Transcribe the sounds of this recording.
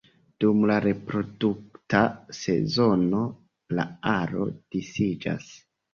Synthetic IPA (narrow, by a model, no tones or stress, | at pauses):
d̥umlaɾe̞pɾo̞duk̚tase̞̰zo̞no̞ | la̰aɾo̞̰d̥isid͡ʒa̰s